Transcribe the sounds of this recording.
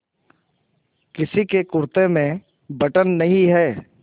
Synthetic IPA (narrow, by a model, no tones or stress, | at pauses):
kɪsikekʊɾt̪emẽ | bɐʈənːɐɦĩɦɛː